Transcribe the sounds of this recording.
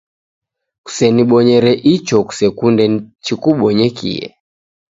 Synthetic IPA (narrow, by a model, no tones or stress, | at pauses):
ku̥sɛniɓɔɲɛɾɛʔit͡ʃɔku̥sɛkundɛt͡ʃikuɓɔɲɛkḭɛ̰